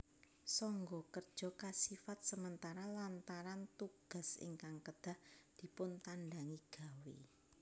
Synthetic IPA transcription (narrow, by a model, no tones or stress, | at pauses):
sɔŋɡɔkərd̥ʒ̥ɔ̤kasifat̪̚səmənt̪aɾalant̪aɾant̪uɡ̥a̤sḭŋkaŋkəd̪̥a̤hd̪̥i̤pʊnt̪anɖaŋiɡ̥a̤wḛ